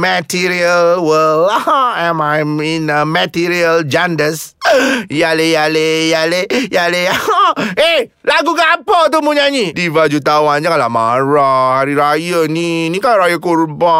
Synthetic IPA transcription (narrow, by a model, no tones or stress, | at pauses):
mətiɾiəlwəlahãamajminəmatiɾiəld͡ʒandəs | jalejalejalejaleahae | laɡukapət̪umuɲaɲidivad͡ʒut̪awand͡ʒakala̰ma̰ɾahaɾiɾajəninikaɾajakurba